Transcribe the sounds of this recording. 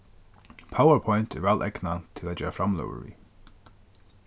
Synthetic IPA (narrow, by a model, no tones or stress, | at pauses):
pʰawəɹpʰɔjnt̪ʰɛɹvɛlʔɛknat̪ʰɪlad͡ʑɛːɾafɾamlœ̰ːwə̰ɹvḭ